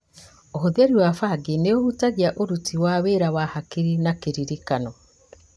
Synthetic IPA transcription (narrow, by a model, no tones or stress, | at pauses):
oɦoðeɾiwafaɡenejohutaɣjaʔoɾutʰiwaːβeɾawahakiɾinakiɾiɾikano